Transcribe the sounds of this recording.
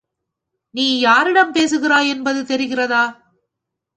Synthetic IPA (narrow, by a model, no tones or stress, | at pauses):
niːjaːɾɪɽɐmpeːs̬ɯɣɪɾaːjɛnbɐðɯt̪ɛɾɪɣɪrɐðaː